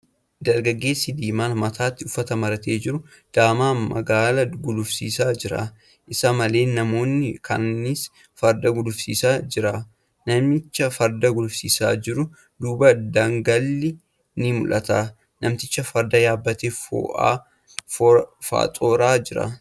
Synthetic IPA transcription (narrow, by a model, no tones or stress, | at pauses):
d̪ɐɾɡɐɡːe̞ːsːɪd̪iːmaːlmɐt̪ʰaːt̪ːɪʊfːɐt̪ɐmɐɾɐt̪e̞ːd͡ʒɪɾʊ | d̪̥aːmaːmɐ̰ɡaːlɐɡʊlʊfsiːsaːd͡ʒɪɾa̰ː | ʔɪsɐmɐle̞ːnɐmo̞ːnːɪkʰɐ̰nːɪs | fɐɾd̪ɐɡʊlʊfsḭːsaːd͡ʒɪɾaː | nɐmɪt͡ʃːɐfɐɾd̪ɐɡʊlʊfsḭːsaːd͡ʒɪɾʊ | d̪uːbɐd̪aŋɡɐlːɪ | nɪmʊ̰lɐt̪aː | nɐmt̪ɪt͡ʃːɐfɐɾd̪ɐjaːbːɐt̪eːfo̰ːʔa̰ː | fa̰ːt̪ʼo̞ːɾaːd͡ʒɪɾɐ̰